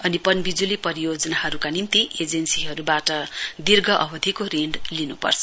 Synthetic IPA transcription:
ʌnipʌnbid͡zulipʌɾijod͡zʌnaɦʌɾukanint̪iʔed͡zensiɦʌɾubaʈʌd̪irɡʱʌʔʌbʌd̪ʱikoɾeɳɖlinupʌ̰rt͡sʰʌ

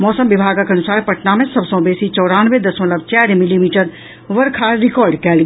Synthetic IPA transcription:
mɔːsəmʋibʱaːɡakɐnusaːɾpɐʈnamẽsəbsə̃w̃beːsit͡ʃɔːɾaːnʋed̪ɐsõləbt͡ʃɛːɾmilimiːʈəɾ | ʋəɾkʰaːɾikɔːɾɖkɛːlɡ

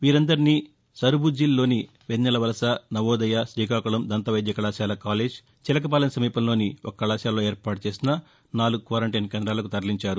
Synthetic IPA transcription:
ʋiːɾɐnd̪ɐɾiniː | sɐɾbud͡ʒilːo̞ːni | ʋenːɐlɐʋɐlɐsɐnɐʋoːd̪ɐjaʃɾiːkaːkuɭɐmd̪ɐnt̪ɐʋɐjd̪jɐkɐɭaːʃjaːlɐkaːle̞ːd͡ʒ | t͡ʃilɐk̬ɐp̬aːlɐnɐsɐmiːpɐnlo̞ːniɔkɐːɐlaːʃjaːloːeːɾpaːʈut͡ʃe̞ːsinɐ | naːluɡukʋaːɾɐɳʈɐjnkeːnd̪ɾaːlɐkut̪ɐɾliɲt͡ʃaːɾu

